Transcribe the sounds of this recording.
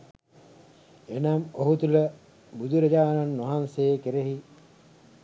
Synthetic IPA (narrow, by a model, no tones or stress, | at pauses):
enamoɦut̪ulə | bud̪ʱuɾɐd͡ʒaːnanːʋɐɦansejekeɾeɦi